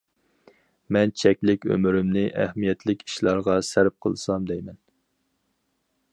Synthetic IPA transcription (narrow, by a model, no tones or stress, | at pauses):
mɛnt͡ʃʰɛkʲlɪkʲø̰myɾɪmnɪʔæhmijɛt̪ʰlɪkʲi̥ʃlˠɑɾʁɑsæɾp̚qʰə̰lˠsɑmd̪ɛjmɛn